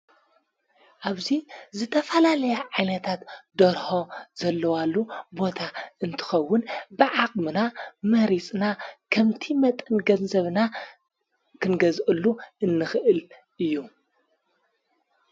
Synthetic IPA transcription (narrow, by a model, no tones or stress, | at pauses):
ʔaβzizɨt̪ʰɐfɐlalɐjaʕajnɐt̪ʰat̪d̪ɐɾho̞zɐlːɐwalːubo̞t̪ʰaɨnt̪ʰɨ̥xɐwːʊnbɨʕakʼmɨnamɐɾit͡sʼnakʰɐmt̪ʰimɐt̪ʼɨnɡɐnzɐβna | kʰɨnɡɐzʔɨlːuʔɨnːɨxɨʔɨl | ʔɨjːu